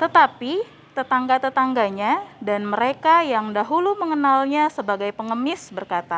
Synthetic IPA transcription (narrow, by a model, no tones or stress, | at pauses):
t̪ət̪api | t̪ət̪aŋɡat̪ət̪aŋɡaɲadanməɾekajaŋdaɦuluməŋənalɲasəbaɡajpəŋəmɪsbərkat̪a